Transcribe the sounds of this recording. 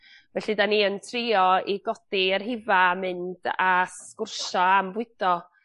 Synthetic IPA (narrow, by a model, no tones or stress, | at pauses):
vɛɬidaniːəntʰriɔiɡɔd̥irɦɪvamɨnd̥askʊrʃɔambwɨd̥ɔ